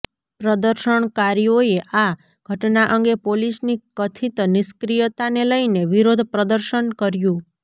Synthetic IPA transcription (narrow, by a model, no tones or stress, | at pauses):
pɾəd̪əɾʃəɳkaɾjoeʔa | ɡʱəʈnaʔəŋɡepolisnikət̪ʰit̪nɪskɾijət̪aneləineʋiɾod̪ʱpɾəd̪əɾʃənkəɾjũ